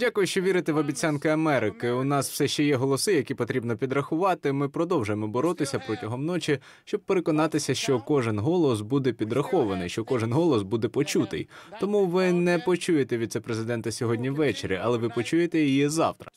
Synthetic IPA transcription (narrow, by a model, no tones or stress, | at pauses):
dʲakʊjʊʃt͡ʃɔʋʲiɾɪt̪ɛʋɐbʲit͡sʲankɪɐmɛɾɪkɪʊnɑsw̥sɛʃt͡ʃɛjɛɦɔlˠɔsɪjɐkʲipɔt̪ɾʲibnɔpʲid̪ɾɐxʊʋɑt̪ɪmɪpɾɔd̪ɔwʒʊjemɔbɔɾɔt̪ɪsʲɐpɾɔtʲɐɦɔmnɔt͡ʃi | ʃt͡ʃɔb̚peɾekɔnɑt̪ɪsʲɐʃt͡ʃɔkɔʒɪnɦɔlˠɔs̬bud̪ɛpʲid̪rɐxɔʋɐnɪjʃt͡ʃɔkɔʒɪnɦɔlˠɔsbud̪ɛpɔt͡ʃut̪ɪ̰jt̪ɔmuʋɪnɛpɔt͡ʃujet̪ɛʋʲid̪̚sɛpɾezɪd̪ɛnt̪ɐsʲɔɦɔdʲnʲiʋːɛt͡ʃḛɾʲḭɐlˠɛʋɪpɔt͡ʃujet̪ɛjijizɑ̰wt̪ɾɐ